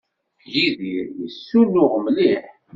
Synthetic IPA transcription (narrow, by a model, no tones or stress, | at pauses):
jiðiɾjəsːulːʊʁmliħ